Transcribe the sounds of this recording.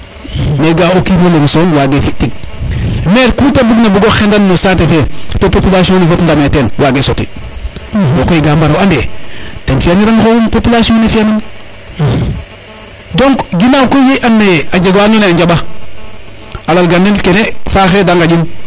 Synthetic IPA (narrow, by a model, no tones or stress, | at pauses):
meɡaokimoleŋsonwaɡefitiɡ̚ | meɾkutabuɡnabuɡoxendannosaːtefetopopilasionifotndametenwaɡesotḭ | bokoiɡaːmbaɾawandetenfianiɾaŋxompopilasionefianin | doŋkɡinawkojjeʔanːead͡ʒeɡwanoneaɲd͡ʒaba | alalɡanenkenefaːxedaŋɡaɟin